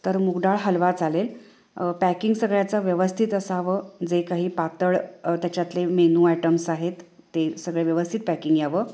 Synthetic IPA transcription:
t̪əɾmuɡɖ̪aɭɦəlʋat͡salel | pækiŋɡsəɡɭjat͡saʋjəʋəst̪ʰit̪əsaʋəːd͡zekaɦiːpat̪əɭt̪jat͡ɕjat̪lemenuːæʈəmsaɦet̪ː | esəɡɭeʋjəʋəst̪ʰit̪̚pækiŋɡjaʋə

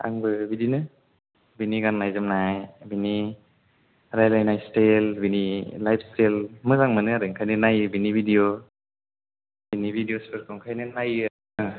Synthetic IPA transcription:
a̰ŋbɯbidinɯ | biniɡannajzɯmnajbini | ɾajlajnajstelbinilajpʰstelmɯzaŋmɯnɯaɾɯŋkʰajnɯnajɯbinibʱidio | binibʱidijospʰɯɾkʰɔŋkʰajnɯnajɯ

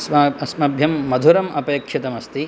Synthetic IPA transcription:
sɐɐsmɐbʱjɐmːɐd̪ʱuɾɐmɐpɐjɐkʃit̪ɐmɐst̪i

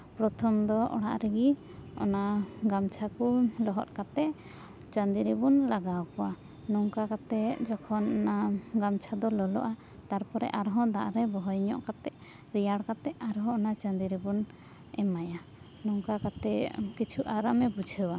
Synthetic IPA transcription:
pɾɔt̪ʰɔmd̪ɔɔ̰ɽa̰ʔɾɛɡi | ɔ̰naɡamt͡ʃʰakulɔɦɔt̪̚kat̪ɛʔ | t͡ʃand̪iɾɛbunlaɡawkɔwa | nɔŋkakat̪ɛd͡ʒɔkʰɔnɔnaɡamt͡ʃʰad̪ɔlɔlɔ̰ʔa | t̪aɾpɔɾɛ̰ʔaɾɦɔ̃d̪aʔɾɛbɔɦɔjɲɔ̰ʔkat̪ɛʔ | ɾijaɽkat̪ɛʔaɾɦɔ̃ɔnat͡ʃãnd̪iɾɛbun | ɛmaja | nɔŋkakat̪ɛkit͡ʃʰuʔaɾamɛbud͡ʒʱəwa

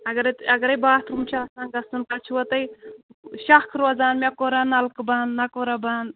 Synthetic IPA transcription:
ɐɡɐɾɐt̪ɐɡɐɾɐjbaːt̪ɾumt͡ʃʰasãːnɡɐsunkɐt͡ʃʰuwɐt̪ɐj | ʃɐkʰɾoːzaːnmʲakoɾanɐlkbɐnːɐkoɾabɐn

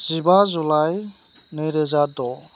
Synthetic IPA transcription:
z̥ibazulaj | nɯjɾɛzadɔ

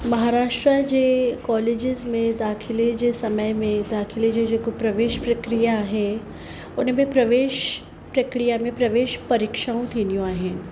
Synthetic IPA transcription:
mɐɦaːɾaːʃʈɾad͡ʒekɔːleːd͡ʒɪzmẽd̪aːkʰɪled͡ʒesɐməjmẽd̪aːkʰɪled͡ʒed͡ʒokopɾɐʋeːʃpɾɐkɾijaɦɛ | ʊnmẽpɾɐʋeːʃ | pɾɐkɾijamẽpɾɐʋeːʃpɐɾɪkʃaũt̪ʰiːnjũaːɦɪn

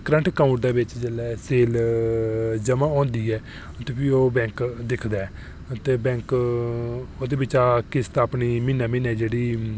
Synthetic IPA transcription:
kɾə̃ɳʈʰkaːuʈ̚d̪aːbɪt͡ʃd͡ʒeːlɛːseːl | d͡ʒəmãːɔ̃ːnd̪iːɛː | t̪eːpʰiːoːbɛ̃ːŋkd̪ɪkʰd̪aːɛː | t̪eːbɛ̃ːŋk | oːd̪eːbɪt͡ʃaːkɪst̪aːpniːmɪnaːmɪ̃nɛːd͡ʒeːɽiː

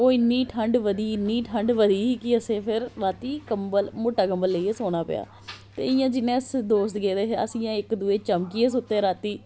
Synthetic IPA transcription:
oːɪnːiːʈʰəɳɖʋəd̪iːɪnːiːʈʰəɳɖʋəd̪iːkɪəsẽːpʰɪɾːaːt̪iːkəmbəlmoːʈːaːkəmbəlːəieːsoːɽ̃aːpɪ̰ja̰ː | t̪ḛːɪjãːd͡ʒɪnːẽːəsd̪oːst̪ɡeːd̪eːɦəsĩːãːɪkd̪ueːt͡ʃəmkieːs̬ʊt̪ːeːɾaːt̪iː

